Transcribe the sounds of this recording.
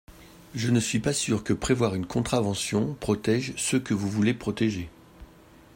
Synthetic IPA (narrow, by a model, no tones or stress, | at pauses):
ʒənəsɥipasyʁkəpχevwaʁynkɔ̃t̪χavɑ̃sjɔ̃pχɔt̪ɛʒsəkəvuvulepχɔt̪eʒe